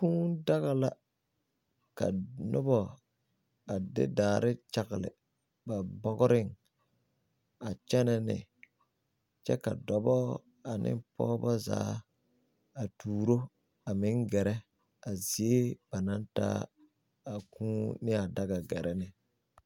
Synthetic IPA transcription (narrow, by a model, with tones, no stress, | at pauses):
kũː˦da˦ɣa˨la˨ | ka̰˨nʊ˦bɔ˨ | a˨dɪ̰˦daː˨ɾɪ˦t͡ʃa˨ɣɪ˨lɪ̰˨ | ba˨bɔ˦ɣʊ˦ɾɪ˦ŋ | a˨t͡ʃɛ˦nɛ˦nɪ̰˨ | t͡ʃɛ̰˦ka̰˨dɔ˨bɔ˦ | a˨nɪ̰˦pɔː˦ba˦za̰ː˨˦ | a˨tʰuː˨ɾo˦ | a˨mɪ˦ŋɡɛ˨ɾɛ˦ | a˨zi˨e˦b̥a˨na˦n˦ta̰ː˦ | a˨kũː˦nɪ˦a˨da˦ɡa˨ɡɛ˨ɾɛ˦nɪ˨